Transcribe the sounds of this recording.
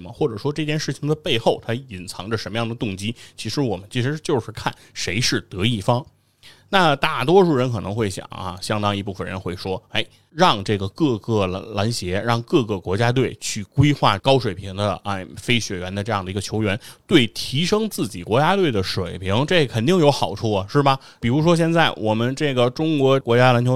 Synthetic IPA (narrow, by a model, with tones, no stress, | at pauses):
mə˨˩xwɔ˥˩ʈ͡ʂɤ˨˩ʂwɔ˥ʈ͡ʂɤ˥˧t͡ɕjɛ˥˧nʂɻ̩˥˩t͡ɕʰi˩ŋd̪ə˨pe˥˧ɪxo˥˩ʊt̪ʰa˥i˨˩nt͡sʰɑ˧˥ŋʈ͡ʂə˧ʂə˧˥nmə˧jɑ˥˩ŋd̪ə˩t̪ʊ˥˩ŋt͡ɕi˥t͡ɕʰi˧˥ʂɻ̩˧˥wɔ˨˩mə˦nt͡ɕʰi˧˥ʂɻ̩˧˥t͡ɕjo˥˧ʊʂɻ̩˥˧kʰa̰˥˩n | ʂe˧˥ɪʂɻ̩˥˩t̪ɤ˧˥i˥˩fɑ˥ŋ | na˥˧t̪a˥˩t̪̬wɔ˥ʂu˥˩ɻə˧˥nkʰɤ˨˩nɤ˧˥ŋxwe˥˩ɪɕjɑ̰˨˩˦ŋɐ̰˧ɕjɑ˥ŋt̪ɑ˥ŋi˧˥p̬u˥˩fə˨˩ɻə̰˧˥nxwe˥˩ɪʂwɔ˥e˥˩ɪ | ɻɑ˥˧ŋʈ͡ʂɤ˥˩ɡə˩kɤ˥˧kɤ˥˩la˧˥nɕjɛ˧˥ɻɑ˥˧ŋkɤ˥˧kɤ˥˩kwɔ˧˥t͡ɕja˥t̪̬we˥˩ɪt͡ɕʰy˥˩kwe˥ɪxwa̰˥˩kɑ˥ʊʂwe˨˩ɪpʰi˧˥ŋd̪ə˧a˥˧fe˥ɪɕɥɛ˨˩ɥɛ˧˥nd̪ə˧ʈ͡ʂɤ˥˧jɑ˥˩ŋd̪ə˩i˧˥ɡə˧t͡ɕʰo˧˥ʊɥɛ˧˥nt̪we˥˩ɪt̪ʰi˧˥ʂɤ˥ŋt͡sɹ̩˥˩t͡ɕi˨˩kwɔ˧˥t͡ɕja˥t̪we˥˩ɪd̪ə˩ʂwe˨˩ɪpʰi˧˥ŋʈ͡ʂɤ˥˩kʰə˨˩nt̪i˥˩ŋjo˧˥ʊxɑ˨˩ʊʈ͡ʂʰu˥˩ɐ˩ʂɻ̩˥˩bɐ˩ | pi˨˩ɻu˧˥ʂwɔ˥ɕ̬jɛ˥˧nt͡sa˥˩ɪwʔɔ˨˩mə˦nʈ͡ʂɤ˥˩ɡə˩ʈ͡ʂʊ˥ŋkwɔ˧˥kwɔ˧˥t͡ɕja˥la˧˥nt͡ɕʰo˧˥